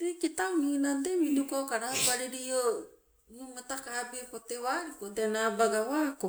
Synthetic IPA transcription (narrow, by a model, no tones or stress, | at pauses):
dekit̪aminant̪̬eminukokaɾapaɾiɾio | numat̪akabepot̪ewaɾikoteanabaɡawako